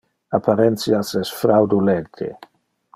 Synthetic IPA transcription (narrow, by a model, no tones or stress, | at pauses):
apʰaɾɛnt̪sjasɛsfɾawd̪ulɛnt̪ʰḛ